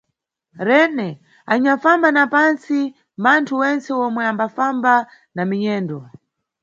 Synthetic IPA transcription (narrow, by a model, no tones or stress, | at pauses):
ɾɛnɛ | aɲafambanapansi | mantʰuwɛnt͡sɛwɔmwɛambafamba | namiɲɛːndɔ